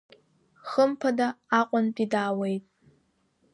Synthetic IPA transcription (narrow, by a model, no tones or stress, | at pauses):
χəmpʰɐdaaːqʷʼɔnpʼidaːwejtʼ